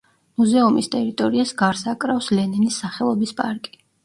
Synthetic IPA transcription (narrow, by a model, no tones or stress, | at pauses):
muzɛumist̪ʼɛɾit̪ʼɔɾiasɡaɾsakʼɾafslɛnɛnisːaχɛlˠɔbispʼaɾkʼi̥